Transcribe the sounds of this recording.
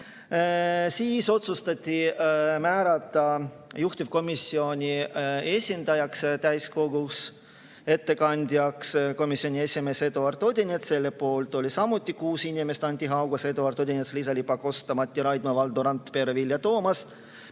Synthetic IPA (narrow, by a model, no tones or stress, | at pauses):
siːso̞t̪sust̪ɑt̪ʲːˑimæːɾɑt̪ˑːɑ | juht̪ʲivko̞misːio̞nʲie̞sʲind̪̥ɑjɑkst̪æjsko̞ɡ̥us | e̞t̪ːe̞kɑnʲd̪ʲjɑksko̞misio̞nʲie̞sʲime̞ːse̞d̪oɑrt̪o̞d̪ʲinʲet̪se̞lːepo̞ːlt̪ˑo̞lʲisɑmut̪ʲːˑikuːsinime̞st̪ɑnʲt̪ʲiɦɑwɡ̥ɑse̞d̪oɑrt̪o̞d̪ʲinʲet̪slisɑlipɑko̞st̪ɑmɑt̪ʲːiɾɑjd̪mɑvɑld̪uɾɑnt̪pe̞ɾevilːjɑt̪oːmɑs